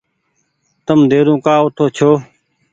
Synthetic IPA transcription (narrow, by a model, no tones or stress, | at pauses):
t̪əmd̪eːɾũːkaːʊt̪ʰoːt͡ʃʰoː